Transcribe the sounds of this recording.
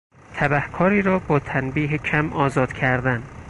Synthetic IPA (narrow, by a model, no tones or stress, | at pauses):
t̪ʰæbæhkʰɒːɾiːɾɒːbɒːt̪ʰænbiːɦecʰæmʔɒːzɒːd̪̥cʰæɾd̪æn